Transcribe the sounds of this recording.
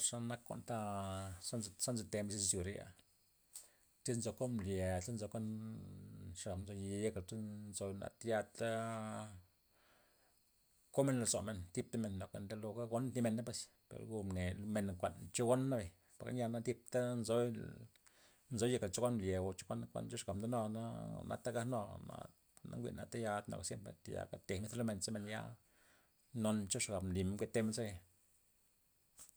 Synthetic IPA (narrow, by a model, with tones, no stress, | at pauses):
ʂa˧na˦kːo̰˦nt̪a˦sa˦˧sa˦nze˧t̪e˧mbi˧si˧ssju˨ɾa̰˧ | t͡si˦nzo˧ko˦mlje˨e˦nzo˧kʷa˦n | ʂa˨nzo˧je˧je˧kla˨ta˦nzo˧na̰˨t̪ja˧t̪a˦ | ko˦me˧nla˧zo̰˨me˧˨nt̪i˦p̚t̪a˦me˧nːo˨ka̰˨nd̪e˧˦lo˧ɡa˦ɡo˦nt̪ni˧me˧nːa˦p̬e˧s | pḛ˨ɾɡu˧mne˨me˧˨nŋkʷa˨ʔnt͡ʃo˦ɡo˦nːa˦be˨ | pa˨ɾka̰˦nja˧na˦t̪i˧p̚t̪a˦nzo˦ | nzo˨˦je˧˨kla˨t͡ʃo˦kʷa˦nlʲje˨ɡo˧˨t͡ʃo̥˦kʷa˦nkʷa̰˦nt͡ʃo˦ʂɡa˨bnd̪no˧na̰˦na̰˦t̪a˦ɡa˧no˧na̰˧ | na̰˦ŋɡʷḭ˨ʔna̰˧t̪e˦ja˧t̪no̰˨ksje˦mpɾḛ˨t̪e˨ja̰˨ka˦t̪e˨me˧˦lo˦me˧nt͡sa˦me˧nja̰˦ | no˧nt͡ʃo˦ʂɡa˨bnli˨m˧ke˦t̪ːe˧me˧nse˦e˧˨